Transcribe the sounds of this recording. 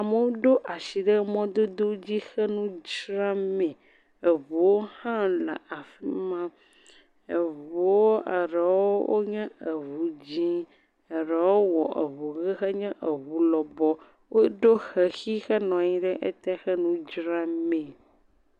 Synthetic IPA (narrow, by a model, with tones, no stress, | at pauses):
a˨me˦wo˦ɖo˦ʔa˨ʃi˨ɖɛ˦mɔ̃˦d̪o˦d̪o˦d͡ʑi˦xɛ˦nũ˦d͡ʒɾã˦mɛ̃˨ | e˨βu˨wo˦hã˦lɛ̰˨a˨fi˦mã˦ | e˨vu˨wo˦ʔe˨ɾɛ˨wo˦wʔo̰˦ɲɛ̃˦ə˨βu˨d͡ʑĩ˦ | ɛ˨ɾɛ˨wo˦wɔ˨ʔḛ˨βu˨ɣɛ˦xɛ˦ɲɛ̃˦ʔə˨βu˦lɔ˨bɔ˦ | wʔo˦ɖo˦xɛ˨xi˦xɛ˦nɔ̃˨ɲĩ˦ɖɛ˦ʔe˦t̪ɛ˦xɛ˦nũ˦d͡ʒɾã˦mɛ̃˨